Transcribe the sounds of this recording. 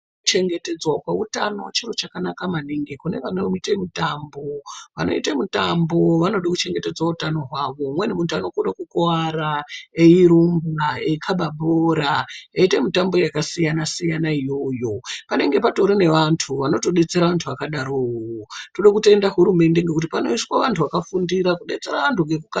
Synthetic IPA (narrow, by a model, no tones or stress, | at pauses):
t͡ʃe̞ŋɡe̞te̞d͡zwakwautano̰t͡ʃiro̞t͡ʃakanakamaniŋɡikune̞̰ʋanoitemutambo̞ʋa̰no̞̰itemutambo̞ʋanoɗakut͡ʃe̞ŋɡe̞te̞d͡zwautano̞ɦwaʋo̞mwe̞nemutanokoɗakukoaɾaeiɾumbaeikʰaɓaɓoɾajaitemitambo̞jakasijanasijanaijo̞ːjo̞pane̞ŋɡe̞pato̞ɾine̞ʋantʰuʋano̞to̞ɗe̞t͡se̞ɾaʋantʰuʋakaɗaɾowotoɗakute̞ndaɦuɾume̞ndeŋɡe̞kut̬ipano̞iswaʋantʰuʋakafundiɾakuɗe̞t͡se̞ɾaʋantʰuŋɡekuka